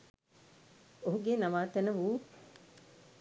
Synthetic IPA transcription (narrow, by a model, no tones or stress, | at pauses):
oɦuɡenɐmaːt̪ɛnəʋuː